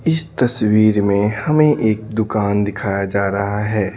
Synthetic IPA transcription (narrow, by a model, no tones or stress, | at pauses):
ɪst̪ɐswiːɾmẽhɐmẽʔeːk̚d̪ʊkaːnd̪ɪkʰaːjad͡ʒaːɾɐɦaɦɛː